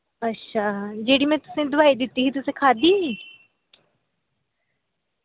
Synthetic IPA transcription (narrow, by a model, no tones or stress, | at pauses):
ɐtːʃʰad͡ʒeːɽimẽt̪ʊ̥sẽd̪ʊʋaːid̪ɪt̪iɦit̪ʊsẽkʰaːd̪iː